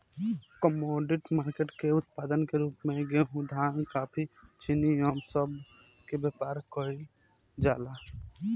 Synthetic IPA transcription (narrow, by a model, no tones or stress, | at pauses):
kɔmɔːɖɪʈmaːɾkeʈkeʊt̪̚paːd̪ənkeɾuːpmẽɡeɦũd̪ʱankaːpʰit͡ʃinijɔːmsəb | kebeːpaːɾkɔɾi | d͡ʒaːla